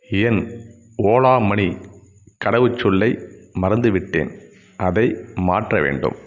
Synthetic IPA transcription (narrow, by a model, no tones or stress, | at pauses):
ɪjɐn | oːɭaːmɐɳi | kɐɽɐʋɯt͡ʃːʊɭːɐɪmɐɾɐnd̪ɯʋɪʈːḛːn | ɐðɐɪma̰ːʈrɐʋḛːɳɖɯ̰m